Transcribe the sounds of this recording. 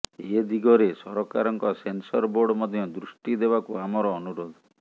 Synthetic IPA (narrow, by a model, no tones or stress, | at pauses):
ed̪iɡɔɾesɔɾɔkaɾɔŋkɔsensɔɾboɾɖɔmɔd̪ʱjɔd̪ɾusʈid̪ebakuamɔɾɔːnuɾod̪ɔ